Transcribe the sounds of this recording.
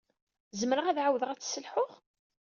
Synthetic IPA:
zəmɾəʁæðʕawðəʁæt͡sːsəlħʊʁ

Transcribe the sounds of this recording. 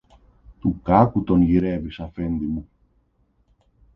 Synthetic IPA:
t̪ukɐkut̪o̞nʝiɾevisɐfe̞nd̪imu

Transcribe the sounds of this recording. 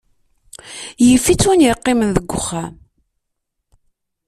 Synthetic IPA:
jəfːit͡sːwunjəqːɪmənðəɡʷːʊχːa

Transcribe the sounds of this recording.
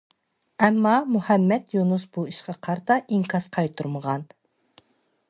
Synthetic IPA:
ɛmːɑmuhɛmːɛt̪junusbuiʃqɑqʰɑɾt̪ʰɑʔiŋkʰɑsqʰɑjt̪ʰuɾməʁɑn

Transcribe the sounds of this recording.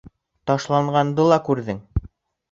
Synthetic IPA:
t̪ɑʃlˠɑɴɢɑnd̪ɤlˠɑkʉɾðɘŋ

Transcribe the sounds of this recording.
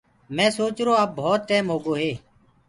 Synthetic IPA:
mɛ̃ːsoːt͡ʃɾoːaːp̚bʱoːt̪̚ʈeːmɦoːɡoːɦeː

